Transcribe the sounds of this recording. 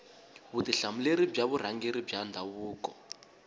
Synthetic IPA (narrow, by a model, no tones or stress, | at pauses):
βutiɬamuleɾib͡ʐaβuɾ̤aŋɡeɾib͡ʐandʱaβuːkɔ̰